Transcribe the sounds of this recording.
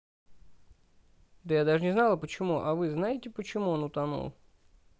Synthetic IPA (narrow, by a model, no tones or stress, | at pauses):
d̪əjad̪aʐɨnʲɪznalˠəpət͡ɕɪmuʔɐvɨznajɪtʲɪpət͡ɕɪmuonʊt̪ɐnṵlˠ